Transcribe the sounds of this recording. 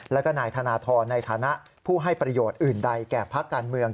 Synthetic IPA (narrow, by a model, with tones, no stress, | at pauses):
lɛː˦˥wka˧naː˨˩˦jt̪ʰa˧naː˧t̪ʰɔː˧nːa˧jt̪ʰaː˩˦na˦˥ʔ | pʰuː˥˩ɦa˥˩jpɾa˧joː˨˩t̪̚ʔɯː˨˩nda˧jkɛː˨˩pʰa˦˥kːaː˧nmɯ˧əŋ